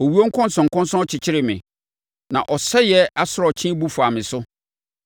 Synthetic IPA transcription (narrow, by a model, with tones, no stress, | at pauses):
ɔ˨wi˦o˦ŋ̩˦kʰɔ̃˦n˦sɔ̃˨ŋ̩˨kɔ̃˦n˦sɔ̃˦ɔ˦t͡ɕʰɪ˨t͡ɕʰɪ˦ɾɪ˨mɪ̰̃˨ | nã̰˨ʔɔ˨sɛ˦jɛ˦a˦sʊ˨ɾɔ˨t͡ɕʰĩ˦bu˦fu˨a˨mɪ̃˨sʊ˦